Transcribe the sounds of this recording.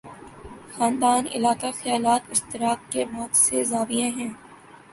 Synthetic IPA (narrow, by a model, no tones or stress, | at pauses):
xãːnd̪aːnɪ̰laːkaxɐjaːlaːt̪ɪst̪ɪɾaːk̚kemɔːt̪sezaːbijẽɦɛ̃ː